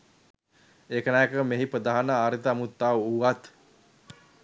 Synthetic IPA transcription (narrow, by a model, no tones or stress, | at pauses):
eːkənaːjkəmeɦipɾəd̪aɦanəaːɾit̪əamut̪ːaʋuʋat̪